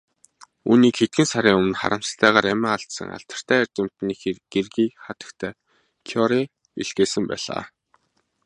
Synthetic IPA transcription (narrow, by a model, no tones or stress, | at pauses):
uːniːkxet̪̚ɡɘ̆nsaɾʲiːŋɵmɘ̆nχa̰ɾə̆m̥sə̥ɬt̪ʰæːʁaːɾæmæːaɬt̪sə̰̆ŋa̰ɬt̪ə̥̆r̥t̪ʰæːærʲt͡ɕɪ̆m̥t̪niːxɡ̥erɣiːχat̪ə̥̆kt̪ʰæː | kʰjɔɾi | ḭɮɡeːsə̆mpæ̰ːɮa̰ː